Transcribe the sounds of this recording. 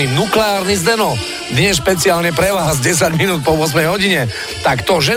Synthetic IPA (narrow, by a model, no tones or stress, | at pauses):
inuklɛaːɾnizd̪ɛnɔ | d̪ɲɛsʃpɛt͡siaːlɲɛpɾɛʋaːɦazɟɛs̬aɟminuːt̪̚pɔʋʊɔs̬mɛjɦɔɟiɲɛ | t̪akt̪ɔʒɛ